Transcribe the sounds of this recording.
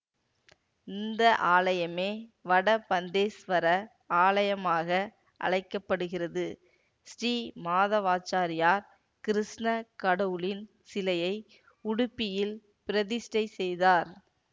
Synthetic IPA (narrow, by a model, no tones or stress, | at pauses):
ɪnd̪ɐʔaːlɐjɐmeːʋɐɽɐpɐnd̪eːsʋɐɾɐ | aːɭɐjɐmaːɣɐ | ʔɐ̰ɻɐɪkːɐpːɐɽɯɣɪrɐðɯ | sɾiːmaːðɐʋaːt͡ʃaːɾɪjaːɾ | kɪɾɪʂnɐkɐɽɐʋɯlɪn | sɪlɐjɐɪ | ʊɽʊpːɪjɪl | pɪɾɐðɪsʈɐɪsɛjðaːɾ